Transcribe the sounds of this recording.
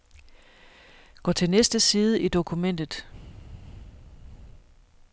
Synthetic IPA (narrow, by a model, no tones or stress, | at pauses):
ɡ̥ɒ̰ːt͡sʰe̝lnesd̥əsiːð̞ˠəʔid̥o̝kʰumen̰d̥ð̩ˠ